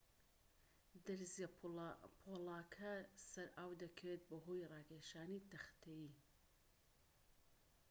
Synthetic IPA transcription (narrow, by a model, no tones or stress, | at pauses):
d̪ɐɾzjapʰolˠaːkʰɐsɐɾaːwd̪ɐkʰɐwet̪̚bɐɦojrɑːɡeʃaːnit̪ɐxt̪ʰɐji